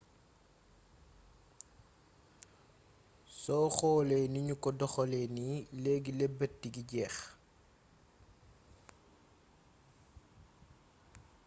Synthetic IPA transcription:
sɔxɔːlɛniɲukɔdɔxɔlɛnileːɡilebət̚diɡiɟɛːx

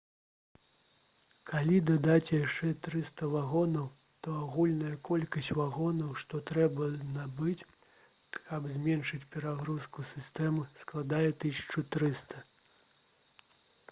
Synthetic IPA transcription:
kalʲid̪ad̪at͡sʲjaʂt͡ʂɛt̪ɾɨst̪ɐvaɣɔnɐw | t̪ɔaɣulʲnɐjɐkɔlʲkɐsʲt͡sʲvaɣɔnɐwʂt̪ɔt̪ɾɛbɐnabɨt͡sʲ | ɐbzʲmʲɛnʂɨt͡sʲpʲɛɾaɣɾuskusʲɨst̪ɛmɨsklˠad̪ajɛt̪ɨsʲɐ̥t͡ʂut̪ɾɨst̪ɐ

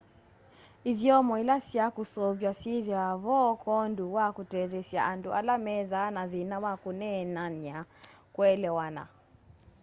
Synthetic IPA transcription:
iðjɔmɔilasjakusɔβjasiðjaβɔkɔnduwakutɛðɛsja̰ʔandualamɛðanaðinawakunɛnaniakwɛlɛwana̰

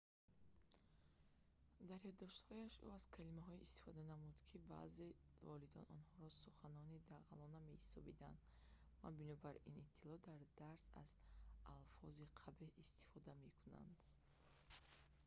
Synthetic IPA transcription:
d̪aɾjɔd̪ɔʃt̪hɔjaʃṵaz̥kʰalimaɦɔiʔːst̪i̥fɔd̪anamud̪̥kʰiba̰ze̞vɔlid̪ɔ̰nɔnhɔɾɔsuχanɔnid̪aʁalɔname̞hisɔbid̪a̰nd̪ | ma̰binɔbaɾḭnit̪ʰːilɔd̪aɾd̪aɾsa̰z̥alfɔziqʰabeist̪i̥fɔd̪ame̞kʰuna̰nd̪

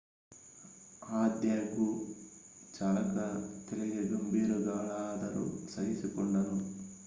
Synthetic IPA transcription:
aːd̪jaːku | t͡ʃaːlɐkɐt̪eliɡeɡɐmbiːɾuɡaːlaːd̪ɐɾṵsɐɦisikɔɳɖɐnu

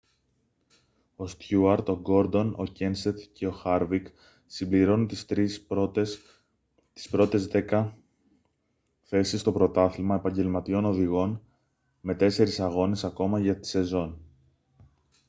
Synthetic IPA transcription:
o̞st̪çuɐɾt̪o̞ɡo̞ɾd̪o̞no̞̰ce̞nset̪ce̞o̞xɐɾvik | simbliɾo̞nunt̪iɾi | t̪i̥spɾo̞t̪e̞zðe̞kɐ | θe̞sist̪o̞pɾo̞t̪ɐθimɐe̞pɐɲɟe̞lmɐt̪io̞no̞ðiɣo̞n | me̞t̪e̞se̞ɾisɐɣo̞ne̞sɐko̞mɐʝɐt̪i̥se̞zo̞n

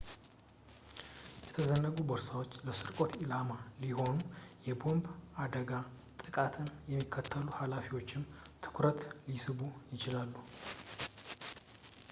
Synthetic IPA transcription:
jɛt̪ʰəzənːəɡubəɾsawo̞t͡ʃːləsɨɾkʼo̞t̪ilamaliho̞nujɛbo̞mbad̪əɡa | t̪ʼɨkʼat̪ʰɨnjɛmːikʰːət̪ʰːəluhalafiwo̞t͡ʃːɪmt̪ʰɨ̥kʰɾət̪lisɨβujɪt͡ʃɪlalːu

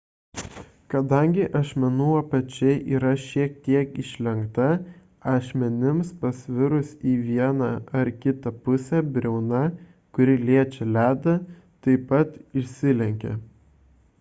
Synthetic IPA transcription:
kɐd̪ɐŋʲɡʲɪʔɐʃʲmʲɛnuːɐpɐt͡ʃʲɛɪʔiːɾɐʃʲiɛk̚t̪ʲiɛkɪʃʲlʲɛŋkt̪ɐ | ɑːʃʲmʲɛnʲɪmspɐsʲʋʲɪɾʊsiːʋʲiɛnɐɐɾkʲɪt̪ɐpʊsʲɛbʲɾʲɛʊnɐ | kʊɾʲɪlʲiɛt͡ʃʲɛlʲæːd̪ɐ | t̪ɐɪpɐt̪ɪʃʲsʲɪlʲɛŋʲkʲɛ̰

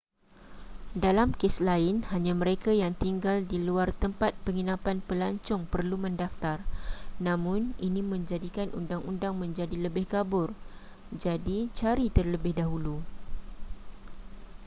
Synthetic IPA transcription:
dalamkeslaɪnhaɲãmə̃ɾekajaŋt̪iŋɡaldiluart̪əmpat̪̚pəŋinãpanpəlaɲt͡ʃʊŋpərlumə̃ndaft̪arnãmʊ̃nʔinĩmə̃ɲd͡ʒadikanṵndaŋundaŋmə̃ɲd͡ʒadiləbɪhkabʊr | d͡ʒadit͡ʃaɾit̪ərləbɪhdaɦulu

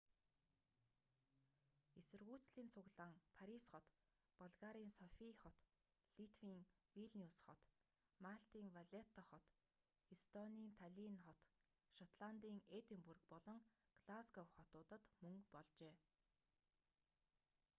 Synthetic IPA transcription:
esɘ̆rɣuːt͡sɮiːnt͡sʰʊɣɮaːŋpʰaɾisχɔt̪ | pɔɮɣaːɾiːnsɔfiːχɔt̪ | ɮit̪ʰwiːŋ | wiɮniusχɔt̪ | maɬt̪iːŋwaɮet̪ːɔχɔt̪ | ist̪ɔniːnt̪ʰaɮinχɔt̪ | ʃɔt̪ɮant̪iːŋet̪ĭmpurɘ̆k̚pɔɮɞ̆ŋ | ɡ̥ɮasɡɔwχɔt̪ʊːt̪ə̆t̪mɵŋpɔɮt͡ɕeː

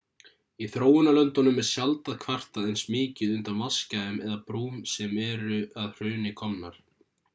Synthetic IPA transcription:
iθɾoːwʏnalœnt̪ɔnʏmɛɾ̥sjalt̪aðkʰvar̥t̪aðejnsmɪːcɪðʏnt̪anvaskaɪmɛðapɾuːmsɛmɛɾʏaðr̥ʏːnɪkʰɔmna̰ɾ̥

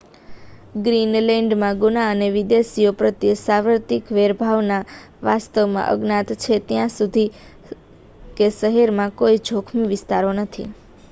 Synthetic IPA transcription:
ɡɾinlɛɳɖmãɡunaəneʋɪd̪esijopɾət̪jəsaʋəɾt̪ikʋeɾbʱaʋna | ʋast̪əʋmã̰ʔə̰ɡnat̪t͡ʃʰet̪jãsud̪ʱi | kesəɦɛɾmãkoid͡ʒʱokʰmiʋɪst̪aɾonət̪ʰḭ

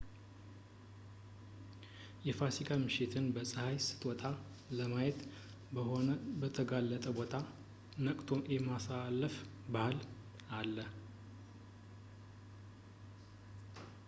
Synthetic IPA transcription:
jɛfasikʰʼamɨʃɪt̪ʰɨnbəsʼəhajsɨ̥t̪ʼwɔt̪ʼa | ləmajɛt̪ | bəhonəbət̪ʰəɡalːət̪ʼəbo̞t̪ʰa | nəkʼt̪ʰoʔemasalːəf | bahal | alːə

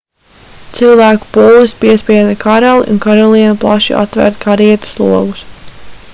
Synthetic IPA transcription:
t̪silˠvæːku̥puːlˠispiɛspiɛd̪akʰaɾalˠḭʔṵnkaɾɔlˠiɛnuplˠaʃḭʔa̰t̪ːvæ̰ɾt̪kʰaɾiɛt̪ḁslˠuɔɡus

